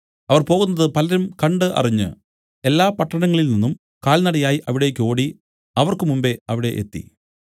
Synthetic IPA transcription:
ɐʋɐrpo̞ːɣunːɐðɨpɐlɐɾumkɐɳɖɨʔɐ̰riɲːɨ | e̞lːaːpɐʈːɐɳɐŋːɐɭilninːum | kaːɭnɐɽɐjaːjiʔɐʋiɽe̞kʲːo̞ːɽi | ɐʋɐrkɨmumbe̞ɐʋiɽe̞ʔḛt̪ːḭ

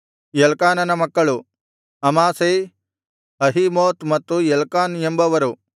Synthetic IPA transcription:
jelkaːnɐnɐmɐkːɐɭu | ɐmaːsej | ɐɦimoːt̪mɐt̪ːujelkaːnembɐʋɐɾu

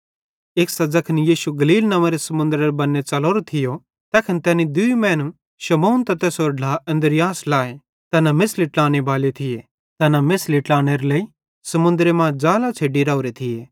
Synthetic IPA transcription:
eːksɐd͡zɐkʰɐnijiːʃuɡɐliːlnɐʋaɾesɐmʊ̃nd̪ɾeɾbɐnːet͡ʃɐloːɾot̪ʰɪjo | t̪ɛːkʰənt̪ɛːnid̪ʊimɛ̃ːnu | ʃɐmoːnt̪ɐt̪ɛːsoɾɖʱaːɐ̃nd̪əɾɪjaːslaːe | t̪ɐnamɪsliʈlaːñebaːlet̪ʰɪje | t̪ɛnamɪsliʈlaːɽ̃eɾelɐi | sɐmʊ̃nd̪ɾemãd͡ʒaːlat͡ʃʰeːɖiɾaoɾet̪ʰɪjeː

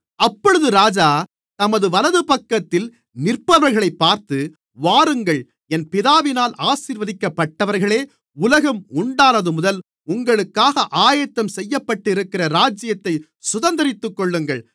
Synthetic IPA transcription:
ɐpːɔɻɯðɯɾaːd͡ʒaː | t̪ɐmɐðɯʋɐlɐðɯpɐkːɐt̪ːɪl | nɪrpɐʋɐɾɣɐɭɐɪpːaːɾt̪ɯ | ʋaːɾɯŋɡɐɭ | ɛnpɪðaːʋɪnaːlʔaːsiːɾʋɐðɪkːɐpːɐʈːɐʋɐɾɣɐɭeː | ʊlɐɣɐmʊɳɖaːnɐðɯmʊðɐl | ʊŋɡɐɭɯkːaːɣɐʔaːjɐt̪ːɐmsɛjːɐpːɐʈːɪɾɯkːɪrɐɾaːd͡ʒɪjɐt̪ːɐɪ | sʊðɐnd̪ɐɾɪt̪ːɯkːɔɭːɯŋɡɐɭ

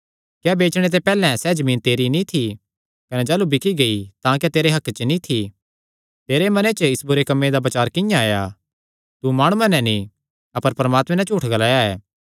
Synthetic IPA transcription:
kjɛːbeːt͡ʃɽ̃et̪̬epɛːlɛ̃sɛːd͡ʒɐmĩːnt̪eːɾinit̪ʰi | kɐnɛd͡ʒaːlubɪkʰiɡɐit̪ãk̬ɛt̪eːɾeɦɐkt͡ʃənĩt̪ʰi | t̪eːɾemɐnet͡ʃəɪsbʊɾekɐmːed̪abɐt͡ʃaːɾkɪjãaːja | t̪umaːɽ̃uãnɛ̃nĩ | ɐpəɾpɐɾəmaːt̪mɛ̃nɛ̃t͡ʃuːʈʰɡɐlaːjaɛ̰ː

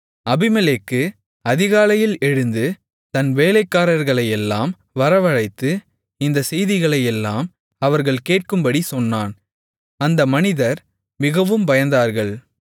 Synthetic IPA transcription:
ɐbɪmɛleːkːɯ | ɐðɪɣaːlɐjɪlɛɻɯnd̪ɯ | t̪ɐnʋeːlɐɪkːaːɾɐɾɣɐɭɐjɛlːaːm | ʋɐɾɐʋɐɻɐɪt̪ːɯ | ɪnd̪ɐsɛjðɪɣɐɭɐjɛlːaːm | ɐʋɐɾɣɐɭkeːʈ̚kɯmbɐɽisɔnːaːn | ɐnd̪ɐmɐnɪðɐɾ | mɪɣɐʋɯmbɐjɐnd̪aːɾɣɐɭ

